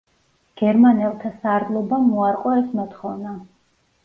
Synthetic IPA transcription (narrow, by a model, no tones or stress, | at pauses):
ɡ̥ɛɾmanɛlˠt̪ʰasaːɾd̪lˠɔbamuaɾqʼɔɛsmɔt̪ʰχɔvna